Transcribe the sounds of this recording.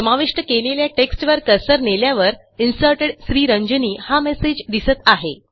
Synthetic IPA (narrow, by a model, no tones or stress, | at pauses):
səmaʋeʂʈəkeleljaʈeksʈʋəɾkəsəɾneljaʋəɾ | insəɾʈeɖsɾiːɾəɲd͡ʑəniːhamesed͡ʑd̪isət̪aɦe